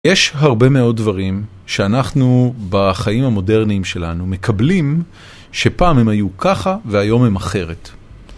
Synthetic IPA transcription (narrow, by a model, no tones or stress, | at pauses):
jeʃɦaʁbe̞me̞o̞d̚dvaʁim | ʃeanaχnubaχaimamo̞de̞ʁniːmʃe̞lanume̞kʰablim | ʃe̞paːmhe̞majukʰaχaveajo̞me̞maχe̞ʁe̞t